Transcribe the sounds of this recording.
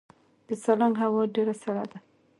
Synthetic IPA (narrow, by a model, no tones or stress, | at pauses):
d̪̥əsalaŋɦawɔɖeɾasala̰d̪a